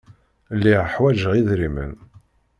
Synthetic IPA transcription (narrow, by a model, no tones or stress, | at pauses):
lːiʁħwæʒəʁiðɾimə̰n